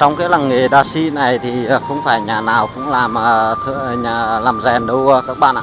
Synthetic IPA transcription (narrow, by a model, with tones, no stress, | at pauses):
t͡ɕɔ˧wŋ͡mkaː˨˦jla˨˩ŋŋe˨˩ɗaː˨˧˩si˧na˨˩jt̪ʰi˨˩əː˨˩xə˧wŋ͡mfaː˧˩jɲaː˨˩naː˨˩wkʊ̰˧˥ŋ͡mlaː˨˩mʔəː˨˩t̪ʰɨ˧˨ɲaː˨˩laː˨˩mzɛ˨˩nɗə˧wkaː˦˥kk̚ɓa̰ː˧˨ʔa˨˩